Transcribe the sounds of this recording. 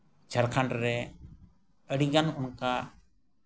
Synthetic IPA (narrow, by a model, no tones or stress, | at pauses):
d͡ʒʱaɾkʰaɳɖɾɛ | əɽiɡanɔnka